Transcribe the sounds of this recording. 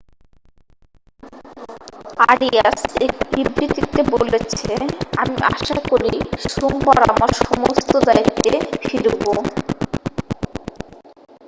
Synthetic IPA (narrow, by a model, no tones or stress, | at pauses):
aɾiasekbibɾit̪it̪ebolet͡ɕʰeamiʔaʃakoɾiʃombɔɾa̰maɾʃɔmost̪od̪ajt̪ːefiɾbo